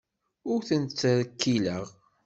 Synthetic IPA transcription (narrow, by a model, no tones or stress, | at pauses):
ʊɾθənt͡sːɾəkːiləʁ